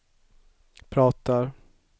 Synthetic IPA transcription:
pʰɾɑːt̪aɾ

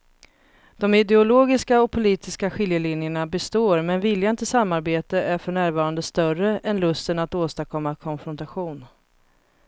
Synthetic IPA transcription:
d̪̥ɔmɪd̪ɛʊloːɡɪskaɔk̚pʰʊliːt̪ɪskaɧɪljəlɪnjəɳabɛst̪oːɾmɛnvɪljant̪ʰɪsamːaɾbeːt̪əʔæɾfœɳæːɾvɑːɾand̪əst̪œrəʔɛnlɵst̪ənat̪oːst̪akʰɔmːakʰɔnfɾɔnt̪aɧuːn

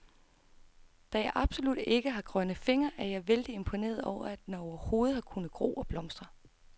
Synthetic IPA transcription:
d̥æjɑ̈ɪʔɑ̈b̥so̝lud̥e̝ɡ̥əɦɑ̈ɡ̥ʁɶn̰ð̩ˠfe̝ŋɐʔæɐjɑ̈ɪʋeld̥ie̝mpʰo̝ne̝̰ːɐðˠɒʊ̰ɐæd̥enɒʊɐho̝ːð̞̩ˠhɑ̈kʰunð̩ˠɡ̥ʁo̝̰ːɒ̽b̥lɒ̽msd̥ʁɐ

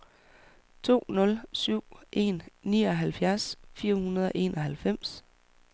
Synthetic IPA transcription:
t͡sʰo̝̰ːnɔ̽lsyʊ̰ʔe̝nːiːɒɦælfjæɐsfiːɐhunɐð̞ˠɒ̽ʔe̝̰ːnʔɒ̽ɦælfem̰s

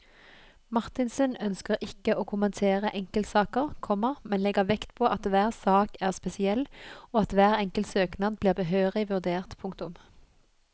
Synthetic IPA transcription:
mɑʁt̪ɪnsœnœnskəʁɪkːəʔoːkʰʊmɛnt̪ʰeːʁəʔɛŋkəlt̪sɑːkəʁkʰɔməʁmɛnlɛɡəʋɛkt̪pʰoːʔɑt̪ʋæːʁsɑːkæːʁspɛsɪɛlːoːɑt̪ʋæːʁɛŋkəlt̪søːknɑd̪bliːʁbəɦøːʁɪʋʉʁd̪eːʁt̪pʰʊŋk̚t̪ʊm

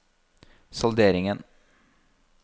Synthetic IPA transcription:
sɔld̪eːɾɪŋən

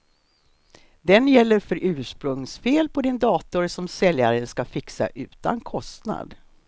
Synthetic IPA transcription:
d̪ɛnjɛlːəɾfœɾʔʉ̟ːʂpɾɵŋsfeːlpʰɔd̪ɪnd̪ɑːt̪ʊɾsɔmsɛljaɾənskafɪksa̰ʔʉ̟ːt̪a̰nkʰɔst̪na̰d̪

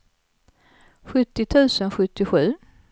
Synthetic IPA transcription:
ɧɵt̪ːɪt̪ʰʉ̟ːsənɧɵt̪ːɪɧʉ̟ː

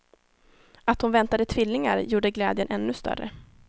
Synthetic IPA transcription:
at̪hʊnvɛnt̪ad̪ət̪ʰvɪlːɪŋa̰ɾjuːɖəɡlɛːd̪jənʔɛnːɵst̪œ̰rə̰

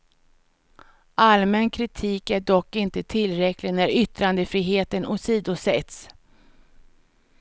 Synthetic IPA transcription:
ʔalmɛnkʰɾɪt̪ʰiːkæɖɔkːɪnt̪ət̪ʰɪlːɾɛklɪɡnæɾʏt̪ɾand̪əfɾiːɦeːt̪ənɔsiːd̪ʊsɛt̪s

